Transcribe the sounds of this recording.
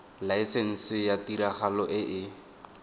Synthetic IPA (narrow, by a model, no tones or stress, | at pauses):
laisen̩sɪjatiɾaχalɔʔɪʔɪ